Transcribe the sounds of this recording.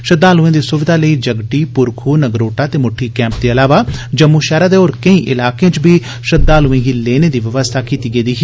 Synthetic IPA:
ʃəd̪ːaːluːẽːd̪iːsʊʋɪd̪ʱaːləiːd͡ʒəɡɖiːpʊɾkʰuːnəɡɾoːʈaːt̪eːmʊʈʰːiːkɛ̃ːmp̚d̪eːəlaːʋaːd͡ʒəmːuʃɛːɾaːd̪eːoːɾkəĩːʔɪlaːkeãt͡ʃbʱiː | ʃəd̪aːluẽːɡiːleːneːd̪iːʋɪʋəst̪ʰaːkiːt̪iːɡəiːd̪iːɦ

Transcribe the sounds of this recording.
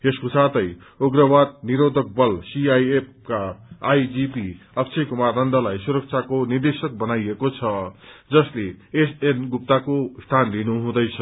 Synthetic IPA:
eskosat̪ʌj | oɡrʌbad̪̚niɾod̪ʱʌk̚bʌlsiajep̚ʰkaːjd͡zipi | ʌk̚t͡sʰekumarnʌnd̪ʌlajsuɾʌk̚t͡sʰakonird̪esʌk̚bʌnajekot͡sʰʌd͡zʌsleesenɡup̚t̪akost̪ʰanlinuɦũd̪ʌjt͡sʰʌ

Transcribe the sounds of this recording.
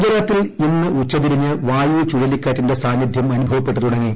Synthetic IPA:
d͡ʑɐɾaːt̪ːilinːɨut͡ɕːɐt̪̬iɾiɲːɨʋaːjuːt͡ɕuɻɐlikʲːaːʈːinde̞saːnjid̪ʱjɐmɐnubʱɐʋɐpːe̞ʈːɐt̪uɽɐŋːi

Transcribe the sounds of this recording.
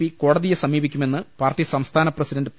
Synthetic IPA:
iko̞ːɽɐðijesɐmiːbikʲːume̞nːɨpaːrʈːisɐmst̪ʰaːnɐprɐsidɐndɨ

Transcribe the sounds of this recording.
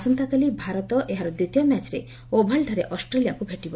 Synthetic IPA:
sɔnt̪akalibʱaɾɔt̪ɔʔeɦaɾɔd̪ut̪ijɔmat͡ʃɾḛ | obʱaɭɖʱɔɾeʔɔsʈɾelijakubʱeʈibɔ

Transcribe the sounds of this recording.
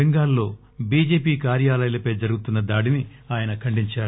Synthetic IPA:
eŋɡaːlːo̞ː | biːd͡ʒe̞ːpiːkaːɾjaːlɐjɐlɐpɐjd͡ʒɐɾuɡut̪unːɐd̪aːɽini | aːjɐnɐkʰɐɳɖiɲt͡ʃaːɾu

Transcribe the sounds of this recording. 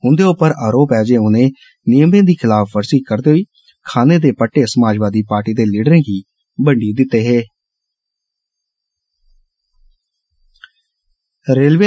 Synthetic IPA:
ɦʊ̃nd̪eːʊpəɾaːɾoːpɦɛːd͡ʒeːʊneː | nɪjəmẽːd̪iːkʰɪlaːpbəɾsiːkəɾd̪eːɦoiː | kʰaːneːd̪eːpəʈːeːsəmaːd͡ʒʋaːd̪iːpaːɾʈiːd̪eːliːɖəɾẽːɡiː | bəɳɖiːd̪ɪt̪ːeːɦeː | ɾeːlʋe

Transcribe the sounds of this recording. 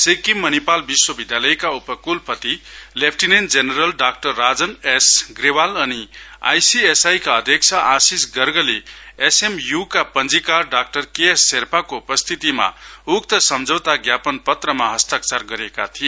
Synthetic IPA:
sekimːʌnipalbiswʌbid̪jalʌjkaupʌkulpʌt̪ilepʰʈinend͡zeneɾʌlɖak̚ʈʌrːad͡zʌnesɡɾewalʌnia̰jsiesajkaʌd̪ʱjʌk̚t͡sʰaʔãsisɡʌɾɡʌleesemjukapʌnd͡zikarɖak̚ʈʌrkeesːeɾpʰakoupʌst̪ʰit̪ima̰ukt̪ʌsʌmd͡zʱʌwt̪aɡjapʌnpʌt̪rʌmaɦʌst̪ək̚t͡sarɡʌɾekat̪ʰie

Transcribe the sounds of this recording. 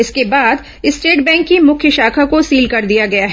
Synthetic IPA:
ɪskebaːd̪ | ɪsʈeːʈbɛ̃ːŋkːimʊkʰjəʃaːkʰakosiːlkɐɾd̪ijaɡɐjaɦɛ

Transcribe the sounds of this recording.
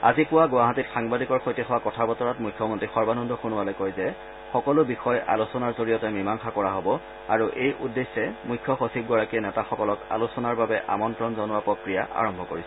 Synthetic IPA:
a̰zikʊwaɡʊaɦatitxaŋbadikɔɹxojtixɔwakɔtʰabɔtɔɹatmujkʰːɔmontɹixɔɹbanɔndʱɔxunʊwalɔjkojzɛ | xɔkɔlʊbixɔjʔa̰lusɔnaɹzoɹijɔtɛmimaŋxakɔɹaɦobɔ | a̰ɹuʔejʔudːesːɛmukʰːjɔxosʰib̚ɡɔɹakiɛnɛtaxɔkɔlɔka̰lusɔnaɹbabɛʔa̰mɔntɹɔnzɔnʊwapɹokɹijaʔa̰ɹɔmbʱɔkoɹisɛ

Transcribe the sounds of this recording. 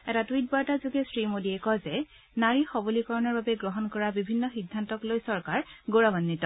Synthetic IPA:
ɛtatwit̚bɔtazuɡɛsɹimoliɛkɔzɛ | naɹixɔbolikɔɹɔnɔɹbabɛɡɹɔɦɔnkɔɹabibʱinːɔxidʱːantɔklojsɔɹkaɹɡoɹabanːitɔ

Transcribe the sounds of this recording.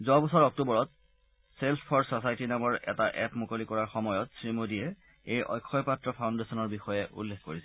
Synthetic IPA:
zɔabɔsɔɹɔk̚tubɔɹɔt̚ | selpʰɔɹsɔsajtinamɔɹɛ̰taʔɛpmokolikɔɹaɹxɔmɔjɔtsɹimodijɛ | ejʔɔ̰jkʰːɔjpatɹɔpʰaʊndesɔnɔɹbixɔjɛʔṵlːekkoɹisɛ

